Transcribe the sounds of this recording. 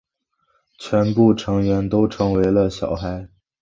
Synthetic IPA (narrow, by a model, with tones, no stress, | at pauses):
t͡ɕʰɥɛ˧˥npu˥˩ʈ͡ʂʰɤ˧˥ŋɥɛ˧˥nt̪o˥ʊʈ͡ʂʰɤ˧˥ŋwe˧˥ɪlə˧ɕjɑ̰˨˩ʊxa˧˥ɪ